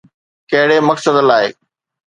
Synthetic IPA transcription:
kɐɦɪɽeːmɐksəd̪laːḛː

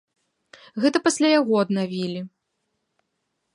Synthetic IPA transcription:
ɣɛt̪ɐpɐsʲlʲajaɣɔɐd̪navʲilʲi

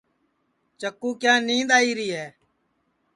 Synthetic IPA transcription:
t͡ʃəkːuːkjãːnĩːnd̪aːiːɾiːɦɛː

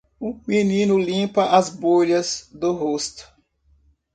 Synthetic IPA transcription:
ʊminĩnʊlĩpɐʔazboʎɐzd̪ʊɦost̪ʊ̥

